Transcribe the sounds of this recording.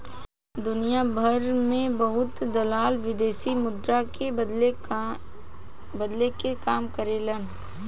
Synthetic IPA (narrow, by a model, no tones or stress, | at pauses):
d̪ʊnijabʱəɾmẽbɐɦʊt̪d̪ɐlaːlʋɪd̪eːsimʊd̪ɾake | bɐd̪lekekaːmkəɾelən